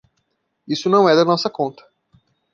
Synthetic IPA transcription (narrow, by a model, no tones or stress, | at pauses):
isʊnɐ̃w̃ɛd̪ɐnɔsɐkõnt̪ɐ̥